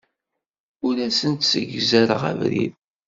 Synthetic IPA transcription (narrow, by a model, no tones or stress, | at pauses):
ʊɾæsənt̪səʝzæɾəʁæ̰vɾḭð